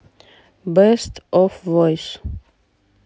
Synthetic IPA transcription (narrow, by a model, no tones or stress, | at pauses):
bɛstɔfvɔjs